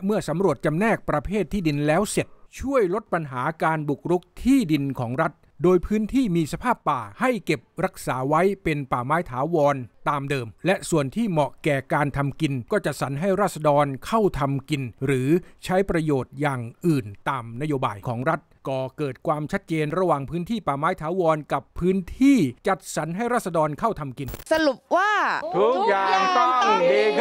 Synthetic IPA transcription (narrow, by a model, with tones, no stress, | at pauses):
mɯ˥˩ɐsa˩˦mɾu˨˩ət̪̚t͡ɕa˧mnɛː˥˩k̚pɾa˧pʰeː˥˩t̪ʰːiː˥˩di˧nlɛː˦˥wse˨˩t̪̚t͡ɕʰu˥˩əjlo˦˥t̪̚pa˧nɦaː˩˦kaː˧nbu˨˩k̚ɾu˦˥k̚t̪ʰiː˥˩di˧nkʰɔː˩˦ŋɾa˦˥t̪̚ | doː˧jpʰɯː˦˥nt̪ʰiː˥˩miː˧sa˧pʰaː˥˩pːaː˨˩ha˥˩jke˨˩p̚ɾa˦˥k̚saː˩˦wa˦˥jpe˧npaː˨˩maː˦˥jt̪ʰaː˩˦wɔː˧nt̪aː˧mdɤː˧mlɛ˦˥ʔsu˨˩ənt̪ʰiː˥˩mɔ˨˩ʔkɛː˨˩kaː˧nt̪ʰa˧mki˧nkɔː˥˩t͡ɕa˨˩t̪̚sa˩˦nɦa˥˩jɾaː˥˩t̪̚sa˧dɔː˧nkʰa˥˩wt̪ʰa˧mki˧nɾɯː˩˦t͡ɕʰa˦˥jpɾa˧joː˨˩t̪̚jaː˨˩ŋʔɯː˨˩nt̪aː˧mna˦˥joː˧baː˧jkʰɔː˩˦ŋɾa˦˥t̪̚kɔː˨˩kɤː˨˩t̪̚kʰwaː˧mt͡ɕʰt̪̚t͡ɕeː˧nɾa˧waː˨˩ŋpʰɯː˦˥nt̪ʰiː˥˩paː˨˩maː˦˥jt̪ʰaː˩˦wɔː˧nka˨˩pʰːɯː˦˥nt̪ʰiː˥˩t͡ɕa˨˩t̪̚sa˩˦nɦa˥˩jɾaː˥˩t̪̚sa˧dɔː˧nkʰa˥˩wt̪ʰa˧mki˧nsa˧lu˨˩p̚waː˥˩t̪ʰu˦˥k̚jaː˨˩ŋt̪ɔ˥˩ŋki˨˩eː˧